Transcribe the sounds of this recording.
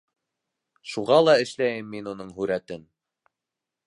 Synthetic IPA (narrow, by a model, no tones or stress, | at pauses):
ʃuʁɑlˠɑɘ̆ʃlæjɘmːinunɤɴɦʉɾæt̪ɘn